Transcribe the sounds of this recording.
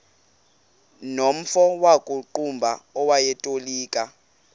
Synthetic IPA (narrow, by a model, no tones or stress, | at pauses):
nom̩fɔwakʼuǃumbʱaɔwajɛtʼoliːkʼa